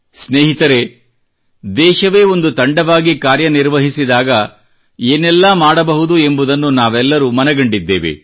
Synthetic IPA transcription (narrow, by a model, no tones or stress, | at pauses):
sneːɦit̪ɐɾe̞ | d̪ɛːʃɐʋe̞ːo̞nd̪ut̪ɐɳɖɐʋaːɡikaːɾjɐniɾʋɐɦisid̪aːɡɐ | eːnɛlːɐmaːɽɐbɐɦud̪ue̞mbud̪ɐnːunaːʋɛlːɐɾumɐnɛɡɐɳɖid̪ːḛːʋḛ